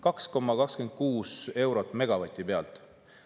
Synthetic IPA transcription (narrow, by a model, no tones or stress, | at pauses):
kɑksko̞mːɑkɑkske̞nd̪̥̚kuːse̞wɾo̞t̪ːˑme̞ɡ̥ɑvɑt̪ʲːˑipe̞ɑ̰lt̪ˑ